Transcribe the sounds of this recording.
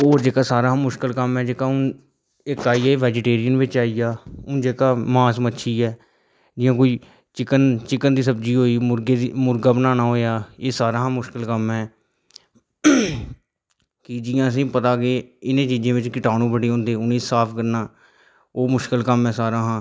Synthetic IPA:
oːd͡ʒeːkaːsaːɾaːɦːmʊʃkəlkəmɦɛ̃ːd͡ʒeːkaːʊn | ɪkːaːiːaːeːʋɛːd͡ʒɪʈeːɾɪjənʋɪt͡ʃaːiːjaːʊnd͡ʒeːkaːmãːsmətːʃʰiːɛː | d͡ʒɪ̃jãːk̬oːiː | t͡ʃɪkənt͡ʃɪkənd̪iːs̬əbd͡ʒiːɦoːiːʊɾɡeːimʊɾɡaːbənaːnãːɦoːjaːeːsaːɾãːɦãːmʊʃkɪlkəmɦɛː | kɪd͡ʒɪːãːəs̬ĩːpət̪aːkeːɪnẽːt͡ʃiːd͡ʒẽːʋɪt͡ʃkɪʈaːɽ̃ũːbəɽeːɦõːnd̪eːʊnẽːsaːpʰkəɾnaː | oːmʊʃkɪlkəmɛːsaːɾaːɦãː

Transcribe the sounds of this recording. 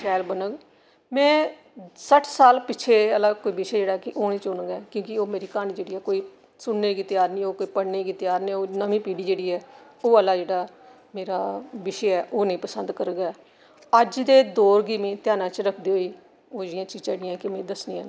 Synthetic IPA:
ʃɛːlbənəɡ | mɛ̃ː | səʈʰsaːlpɪt͡ʃʰeːəlaːkoːiːbɪʃed͡ʒeːɽaːɛkɪʔoːɽ̃ĩːt͡ʃʊnəɡɛːkjõːkɪoːmeːɾiːkaːñĩːd͡ʒeːɽiːɛːkoːiː | sʊnːeːɡiːt̪ɪjaːɾnĩːoːkoːiːpəɽneːɡiːt̪ɪjaːɾnĩoːnəmĩːpiːɽiːd͡ʒeːɽiːɛː | oːəlːaːd͡ʒeːɽaː | meːɾaːbɪʃeɛːʔoːnẽĩːpəsənd̪kəɾɡɛː | əd͡ʒd̪eːd̪oːɾɡiːmĩːt̪ɪjaːnãːt͡ʃɾəkʰd̪iːɦoːiː | oːd͡ʒɪãːt͡ʃiːd͡ʒãːɽɪɛ̃ːkɪmɛ̃ːd̪əsniːã̰ːnː

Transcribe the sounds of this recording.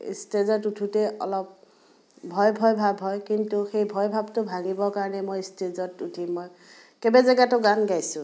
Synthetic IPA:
ḭstezɔtutʰutɛʔɔ̰lɔp̚ | bʱɔjbʱɔjbʱabʱɦɔjkintuxejbʱɔjbʱabtʊbʱaɡibɔkaɹɔnɛmojstezɔtutʰimːoj | kɛbazɛɡatʊɡaŋɡajsʊ̃

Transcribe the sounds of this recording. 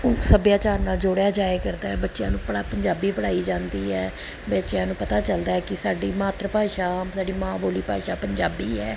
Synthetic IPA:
səbjaːt͡ʃaːɾnaːld͡ʒoːɽjaːd͡ʒaːekəɾd̪aːɛːbətːʃɪjãːnũːpəapəɲd͡ʒaːbiːpəɽaːiːd͡ʒãːnd̪iːɛː | bətːʃjãːnũːpət̪aːt͡ʃəld̪aːɛːkɪsaːɖiːmaːt̪ɾəpaːiʃaːsaːɖiːmãːboːliːpaːiʃaːpəɲd͡ʒaːbiːɛː

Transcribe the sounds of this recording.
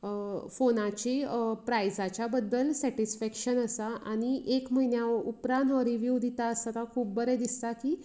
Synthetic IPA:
əfonãt͡ɕepɾajd͡zat͡ɕjabəd̪ːəlsɛʈisfɛkɕənəsaʔañiʔekm̤əinjaʋəɾupɾãnɦɔɾiʋjuʋd̪it̪aəsat̪akʰuːp̚bəɾɛd̪ist̪akiː

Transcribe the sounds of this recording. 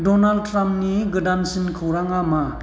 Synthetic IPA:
dɔnald̚tɾamp̚niɡɯdansinkʰɯwɾaŋama

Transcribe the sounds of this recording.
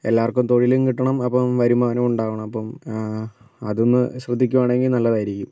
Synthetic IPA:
e̞lːaːɐrkːumt̪o̞ɻilumkiʈːɐɳɐmɐpːɐmʋɐɾumːɐʋɐnemuɳɖaːʋɐɳɐmɐpːɐm | ɐðonːɨɕrɐd̪ʱːikʲːuʋaːɳe̞ŋɡilnɐlːɐðaːjiɾikʲːum

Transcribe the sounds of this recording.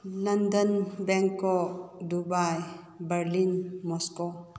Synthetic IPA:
lɐndənbɛŋkɔdubaj | bəɾlinmɔskɔ

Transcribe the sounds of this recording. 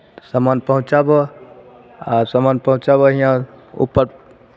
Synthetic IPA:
samanpəɦũt͡ʃabɔ | asamanpəɦũt͡ʃaβəɦĩãṵpːəɾ

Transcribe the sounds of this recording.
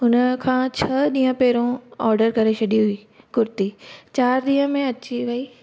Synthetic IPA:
ʊnəkʰãːt͡ɕʰɐɗĩːə̃pɛːɾõɔːɾɖəɾkɐɾeʃʰɐɗiɦʊiː | kʊɾt̪it͡ɕaːɾɗ̪ĩːɦə̃mẽɐt͡ɕiʋɐiː

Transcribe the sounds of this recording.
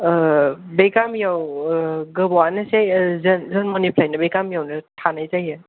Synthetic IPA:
bekamjaw | ɡɯbɔwanɯsejzɐnzənmɔnipʰlajnɐbeɡamjawnɐtʰanajzajɯ

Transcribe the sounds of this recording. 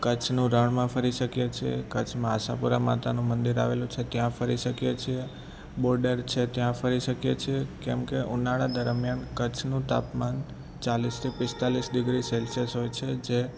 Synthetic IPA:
kət͡ʃʰnũɾəɳ̃mãfəɾiʃəkjet͡ʃʰiḛkət͡ʃʰmãːʃa̰puɾama̰t̪anũmənd̪iɾa̰ʋelũt͡ʃʰet̪jãfəɾiʃəkjet͡ʃʰie | bɔɾɖəɾt͡ʃʰet̪jãfəɾiʃəkjet͡ʃʰiekɛmkeʔunaɭad̪əɾmjankət͡ʃʰnũt̪a̰pman | t͡ʃalist̪ʰipɪst̪alisɖɪɡɾiselsəsɦojt͡ʃʰed͡ʒe

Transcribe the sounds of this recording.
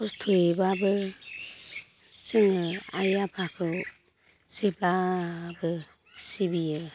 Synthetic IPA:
ɔstʰoebabɯ | sɯŋɯajapʰakʰɯ | seplabɯ | sibijɯ

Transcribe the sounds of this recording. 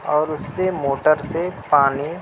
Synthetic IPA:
ɔːɾʊsːemoːʈəɾsepaːni

